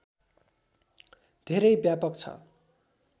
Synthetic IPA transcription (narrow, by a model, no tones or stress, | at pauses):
d̪ʱeɾʌjbjapʌkt͡sʰʌ̰